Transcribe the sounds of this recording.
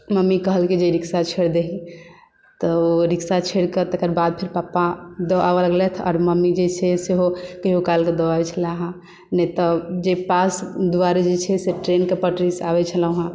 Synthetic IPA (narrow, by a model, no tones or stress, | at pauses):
məmːikəɦəlkid͡ʒeɾiksat͡ʃʰeɽd̪eɦĩ | t̪ɔoɾiksat͡ʃʰeɽket̪əkəɾbad̪̚pʰiɾpapad̪ɔʔa̰aləɡlɛt̪ʰɔ̰ːɾməmːid͡ʒet͡ʃʰeseɦokəɦiokalked̪ɔaɛt͡ʃʰəlaɦã | nɛt̪ɔd͡ʒepasd̪uaɾed͡ʒet͡ʃʰɛseʈɾenkepəʈɾisabɛt͡ʃʰəlaɦã